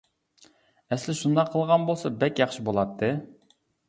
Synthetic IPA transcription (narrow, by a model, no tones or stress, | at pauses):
ɛslɪʃund̪ɑqʰːəlˠʁɑnbolˠsɑbɛkʲjɑχʃibolˠɑt̪ʰːɨ